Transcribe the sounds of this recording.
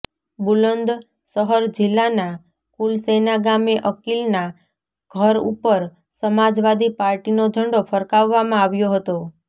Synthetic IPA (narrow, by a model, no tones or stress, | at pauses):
bulənd̪ | səɦəɾd͡ʒɪlːana | kulsenaɡameʔəkilna | ɡ̥ʱəɾṵpəɾ | səmad͡ʒʋad̪ipaɾʈinod͡ʒʱəɳɖofʰəɾkaʋːamãaʋjoɦət̪o